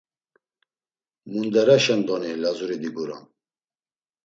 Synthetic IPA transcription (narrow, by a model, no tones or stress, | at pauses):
mund̪ɛɾaʃɛnd̪ɔnilazuɾid̪iɡuɾɔ̰n